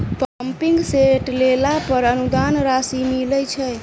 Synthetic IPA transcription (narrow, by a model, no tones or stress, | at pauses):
pəmpiŋɡseʈlelapəɾənud̪anɾasimilɛt͡ʃʰɛj